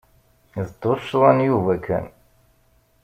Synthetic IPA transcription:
zd̪oʃlænjuvækːæ̰n

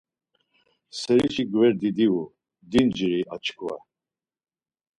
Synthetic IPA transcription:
sɛɾit͡ʃʰiɡvɛɾd̪id̪iu | d̪ind͡ʒɾiat͡ʃʰkʰʼva̰

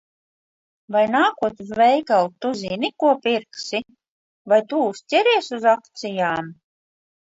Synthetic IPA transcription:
vajnaːkuɔt̪vɛjkalˠt̪ːuzinikuɔpiɾksi | vajt̪ust̪ʲɛɾiɛsuzakt̪sijaːm

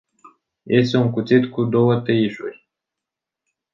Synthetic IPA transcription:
jesuŋkut͡s̪it̪kud̪owət̪əiʃuɾʲ

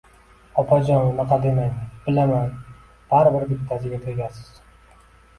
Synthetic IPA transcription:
ɒpʰad͡ʒɒnmaqɑd̪emanbɪlaman | b̥aɾbɪɾd̪epu̥t̪ʰasɪɡʲat̪ʰeɡʲasɪz̥

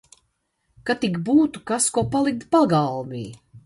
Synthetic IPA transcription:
kat̪ikbuːt̪ukaskuɔpalˠik̚t̪paɡalˠvḭː

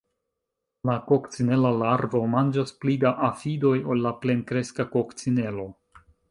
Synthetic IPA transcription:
lakokt͡sine̞lalaɾvo̞mand͡ʒasplidaʔafido̞jolːaple̞nkɾe̞skakokt͡sine̞lo̞

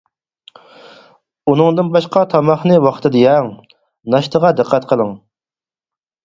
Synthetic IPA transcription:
unɨŋd̪ɨnbɑʃqɑt̪ʰɑmɑχnɨwɑχt̪ʰɨd̪ɨjɛŋ | nɑʃt̪ʰəʁɑd̪ɨqʰːæt̪qʰəlˠɨŋ

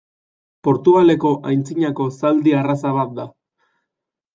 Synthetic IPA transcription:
po̞ɾt̪uɣale̞ko̞ʔajnt͡siɲako̞sald̪iarasaβ̞at̪̚d̪a

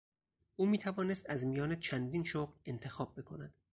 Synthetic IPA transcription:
ʔuːmiːt̪ʰævɒːnest̪æzmijɒːnet͡ʃʰænd̪iːnʃoɣle̞nt̪ʰe̞xɒːb̚ːe̞kʰonæd̪̥

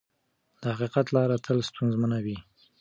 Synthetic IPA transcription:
d̪̥əhaqiqat̪lɑɾat̪ʰəlst̪unzmənawi

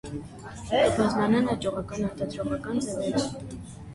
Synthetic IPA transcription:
ɛbɑzlɑnɑnɑt͡ʃʼɔʁɑkɑnɑɾt̪ɑd̪ɾɔʁɑkɑnd͡zɛvɛt͡s

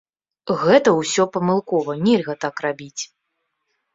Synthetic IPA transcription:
ɣɛt̪ɐwsʲɔpɐmɨlˠkɔvɐnʲɛlʲɣɐt̪akrabʲit͡sʲ

